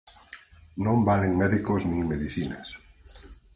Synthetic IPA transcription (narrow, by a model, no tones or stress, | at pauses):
nõmbaleŋmeðikoznĩŋmeðiθinas